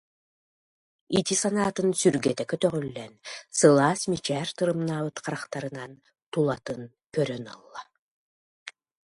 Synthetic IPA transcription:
it̪isanaːt̪ɯnsyɾɡɛt̪ɛkœt̪œʁœlːɛnsɯlˠaːsmit͡ʃɛːɾt̪ɯɾɯmnaːβɯt̪qaɾaχt̪aɾɯnan | t̪ulˠat̪ɯn | kœɾœnɔ̰lˠːa

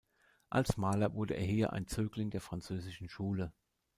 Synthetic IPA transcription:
ʔa̰lsmaːlɐvʊɐdəʔḛːɐɦiːɐʔa̰ɪnt͡søːklɪŋdeːɐfʁ̥ant͡søːzɪʃn̩ʃuːlə

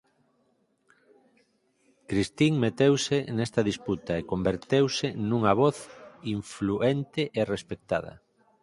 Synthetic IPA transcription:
kɾist̪iŋmet̪ewsenest̪ɐðisput̪ɐekombeɾt̪ewsenuŋɐβɔθiɱfluent̪eʔerespek̚t̪a̰ð̞ɐ̰

